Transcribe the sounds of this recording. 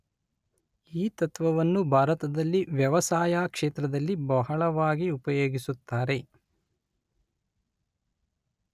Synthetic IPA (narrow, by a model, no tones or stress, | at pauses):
iːt̪ɐt̪ʋɐʋɐnːubʱaːɾɐt̪ɐd̪ɐlːiʋjɐʋɐsaːjaːkʂeːt̪ɾɐd̪ɐlːibɐɦɐɭɐʋaːɡiupɐjoːɡisut̪ːaːɾe̞